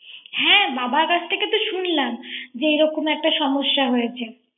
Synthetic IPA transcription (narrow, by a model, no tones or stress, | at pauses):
hɛ̃babaɾkat͡ɕʰʈʰeket̪oʃunlamd͡ʑeejɾɔkomɛk̚ʈaʃɔmoʃːaɦojet͡ɕʰe